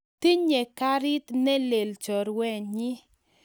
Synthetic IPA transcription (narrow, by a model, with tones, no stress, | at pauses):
t̪i˦ɲe˨ka˦ɾi˦t̪nɛ˦le˨lt͡ʃɔ˨ɾwɛ˦˨ɲɪ˦